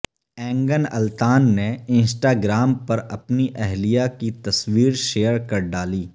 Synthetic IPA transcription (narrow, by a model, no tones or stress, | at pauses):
ɛ̃ːŋɡənɐ̰lt̪aːnːeɪ̃nsʈaːɡɾaːmpɐɾɐpniʔɛɦlijakit̪ɐswiːɾʃeːəɾkɐɾɖaːliː